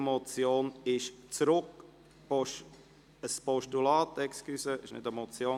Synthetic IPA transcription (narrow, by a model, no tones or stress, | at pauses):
mɔt͡sjoːnɪʃt͡sɾʊk | pɔʃ | əspɔʃtulaːtɛkskysəɪʃnɪ̰tɛmɔt͡sjoː